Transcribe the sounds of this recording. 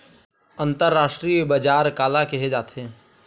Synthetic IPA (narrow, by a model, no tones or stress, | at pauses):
ə̃nt̪əɾːaːʃʈɾijbɐd͡ʒaːɾkaːlakeɦed͡ʒaːt̪ɦeɛ̃ː